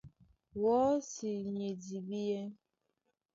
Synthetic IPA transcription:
wɔ˨˦si˨ɲe˨di˨bi˦je˦

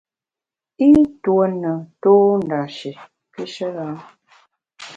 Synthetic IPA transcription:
i˦twə˨nə˨toː˦n˨da˨ʃi˨ | ki˦ʃə˦ɣa˦

